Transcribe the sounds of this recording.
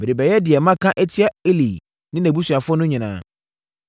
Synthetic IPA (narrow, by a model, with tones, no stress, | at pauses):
mɪ˨ɾi˨bɛ˨jɛ˦dɪ˨ɛ˨mã˦kʰã˦ʔɛ˦tʰɪ˦a˦e˦li˨ | nɪ̃˦næ̃˨bu˦ɕɥa˨fʊ˦ɔ˦nʊ̃˦ɲĩ˨nãː˦